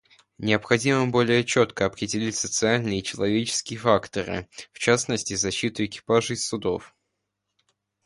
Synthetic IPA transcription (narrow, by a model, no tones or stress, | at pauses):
nʲɪəpxɐdʲimɨmbo̞lʲɪjət͡ɕo̞t̪kəɐpɾʲɪdʲɪlʲitʲsət̪sɨalʲnɨjət͡ɕɪlˠɐvʲet͡ɕɪ̥skʲɪjəfakt̪əɾɨ̰ft͡ɕasnəsʲtʲɪzɐɕːit̪ʊɪkʲɪ̥paʐəɪsːʊd̪o̰f